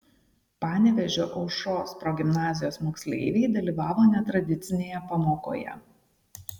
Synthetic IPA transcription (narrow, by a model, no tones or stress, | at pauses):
pɑːnʲɛʋʲɛʒʲoːʔɐʊʃoːspɾɔɡʲɪmnɑːzʲɪjoːsmoːksʲlʲḛˑɪʋʲeɪd̪ɐlʲiːʋɑːʋoːnʲɛt̪ɾɐd̪ʲɪt̪sʲɪnʲeːjɛpɐmoːko̰ːjɛ̰